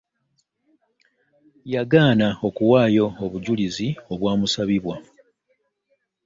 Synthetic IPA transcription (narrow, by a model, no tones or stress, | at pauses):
jaɡaːnao̞kuwaːjo̞ːβuɟulizio̞βwaːmusaβiβwa